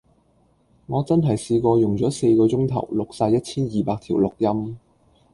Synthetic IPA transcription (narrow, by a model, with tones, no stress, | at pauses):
ŋɔː˨˧t͡sɐ˥nɦɐ˨˩jsiː˧kʷɔː˧jʊ˨ŋt͡sɔː˨˥se˧jkɔː˧t͡ʃʊ˥ŋt̪ʰɐ̰˨˩wlʊ˨k̚saː˧jɐ˥t̚t͡sʰiː˥njiː˨paː˧k̚t̪ʰiː˨˩wlʊ˨k̚jɐ˥m